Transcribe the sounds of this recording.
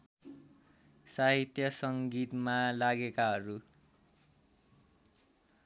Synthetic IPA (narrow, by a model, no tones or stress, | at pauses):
saɦit̪jʌsʌŋɡit̪malaɡekaɦʌɾu